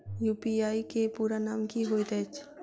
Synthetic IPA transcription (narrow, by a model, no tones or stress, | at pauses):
juːpiaːikepuːɾanaːmkiɦoːjd̪ɛt͡ʃʰ